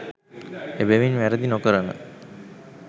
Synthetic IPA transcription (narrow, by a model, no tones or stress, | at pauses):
ebeʋinʋæɾəd̪inokəɾənə̰